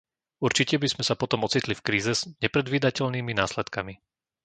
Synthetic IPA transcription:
uɾt͡ʃicɛbiz̥mɛsapɔt̪ɔmɔt͡sit̪lifkɾiːzɛzɲɛpɾɛd̪ʋiːd̪acɛʎniːminaːslɛt̪kami

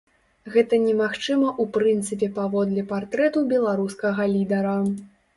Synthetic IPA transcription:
ɣɛt̪ɐnʲɛmaxt͡ʂɨmɐʔupɾɨnt̪sɨpʲɛpavɔd̪lʲɛpart̪ɾɛt̪ubʲɛlˠaɾuskɐɣɐlʲid̪ɐɾɐ

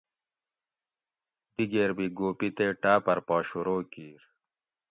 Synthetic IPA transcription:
d̪iɡeːɾbiɡoːpit̪eːʈaːpɐɾpaːɕuɾoːkiːɾ

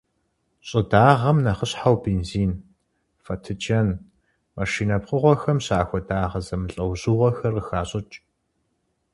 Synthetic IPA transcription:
ɕʼɪdaːʁɐmnɐχəɕħawbeːnziːn | fɐtʰɨt͡ʃɐn | maʂiːnɐpqəʁʷɔxɐmɕaːxʷɔdaːʁɐzɐmɨɬʼɐwʑuːʁʷɔxɐrəxaːɕʼɨt͡ʃʼ

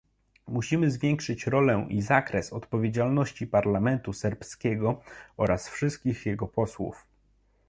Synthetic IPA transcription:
muɕimɘzvʲjɛŋkʂɘt͡ɕɾɔlɛʔizakɾɛsɔt̪pɔvʲed͡ʑalnɔɕt͡ɕipaɾlamɛnt̪usɛɾpskʲɛɡɔɔɾasfʂɘst̪̚kʲixjɛɡɔpɔswṵf

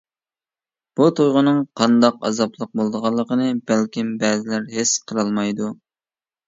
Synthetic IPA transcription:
b̥ut̪ʰojʁʊnɨŋqʰɑnd̪ɑqɑ̰zɑplˠəq̚bolˠd̪əʁɑlˠːəqənɨbælkʲimbɛːzɪlæɾɦesqʰəɾɑlˠmɑjd̪u

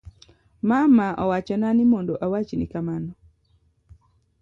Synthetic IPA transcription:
mamaʔɔwat͡ʃɔnanimondoʔawat͡ʃnikamanɔ

